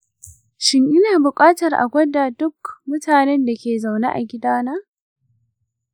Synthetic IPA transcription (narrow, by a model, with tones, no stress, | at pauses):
ʃɪ˦ŋʔɪ˦naː˨bʊ˨kʼaː˦tɐ˨rʔa̰˨ɡʷɐ˦da˨dʊ˦kmʊ˦taː˨nɛ˦nda˨kʲeː˨za˨wnḛː˦ʔa̰˨ɡʲɪ˦daː˦naː˦